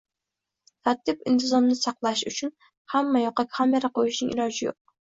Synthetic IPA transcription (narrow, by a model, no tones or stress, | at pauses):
t̪ʰat̪ːɪpɪnt̪ʰɨzɒnnɪsɑqlˠaʃut͡ʃʰun | hamːajoqɑkʲhamjɛɾaqʰojiʃnɪŋʔḭɾɑd͡ʒɪjo̰q̚